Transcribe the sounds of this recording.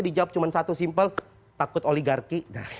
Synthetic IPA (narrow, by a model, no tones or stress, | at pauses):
adid͡ʒawap̚t͡ʃumansat̪usimpəl | t̪akʊt̪oliɡarkina